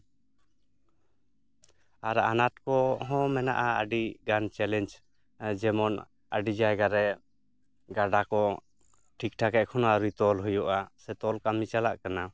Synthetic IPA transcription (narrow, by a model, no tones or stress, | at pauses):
aɾaanat̚kɔɦɔ̃mɛna̰ʔaə̰ɖiɡant͡ʃɛlɛnd͡ʒ | d͡ʒɛmɔn | əɖid͡ʒajɡaɾɛ | ɡaɖakɔ | ʈʰik̚ʈʰakɛʔkʰɔnaɾut̪ɔlɦujɔʔasɛt̪ɔlkamit͡ʃalaʔkana